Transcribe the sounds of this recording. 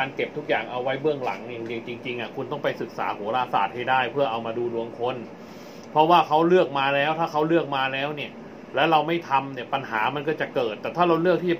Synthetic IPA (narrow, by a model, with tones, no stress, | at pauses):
aː˧nke˨˩p̚t̪ʰu˦˥k̚jaː˨˩ŋʔa˧wːa˦˥jbɯ˥˩əŋla̰˩˦ŋjaː˨˩ŋli˧əŋt͡ɕi˧ŋt͡ɕi˧ŋʔa˨˩kʰu˧nt̪ɔ˥˩ŋpa˧jsɯ˨˩k̚sa̰ː˩˦huː˩˦ɾaː˧saː˨˩t̪̚ha˥˩jdaː˥˩jpʰɯ˥˩ɐʔa˧wmaː˧duː˧du˧əŋkʰo˧n | pʰɾɔ˦˥waː˥˩kʰa˦˥wlɯ˥˩ək̚maː˧lɛː˦˥wt̪ʰaː˥˩kʰa˦˥wlɯ˥˩ək̚maː˧lɛː˦˥wni˥˩ə | lɛː˦˥wɾa˧wma˥˩jt̪ʰa˧mni˥˩ɐpa˧nɦaː˩˦ma˧nkɔː˥˩t͡ɕa˨˩kɤː˨˩t̪ːɛː˨˩t̪ʰaː˥˩ɾa˧wlɯ˥˩k̚t̪ʰiː˥˩t͡ɕa˨˩